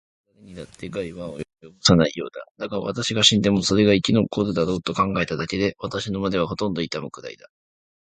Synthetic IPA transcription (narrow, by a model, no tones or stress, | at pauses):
ɾaɾeɲ̟inat̪ːe̞ɡaiβao̰jojo̞bosanaijo̞̰ːd̪ad̪̥akaɾa̰βa̰t̪aɕiɡaɕĩnd̪e̞mo̞so̞ɾe̞ɡaikʲinokod̪od̪aɾo̞ːt̪o̞kãŋɡae̞t̪ad̪ake̞d̪e̞βat̪aɕino̞mad̪e̞β̞aɦo̞t̪õ̞nd̪o̞it̪amɯ̟kɯ̟d̪a̰id̪a